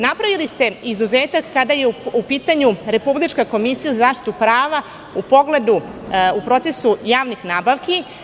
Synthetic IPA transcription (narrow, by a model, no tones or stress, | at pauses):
napɾaʋilist̪e̞izuze̞ːt̪akːad̪ajeupiːt̪aɲuɾe̞publit͡ʃkako̞misijuzazaːʃt̪i̥t̪upɾaːʋa | upo̞ɡle̞d̪uupɾo̞t̪se̞sujaːʋnixnaːbaʋki